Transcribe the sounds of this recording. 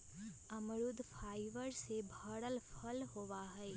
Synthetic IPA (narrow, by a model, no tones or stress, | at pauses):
əmɾʊd̪ʱpʰaːɪʋəɾsebʱəɽəlpʰəlɦoʋaɦɛ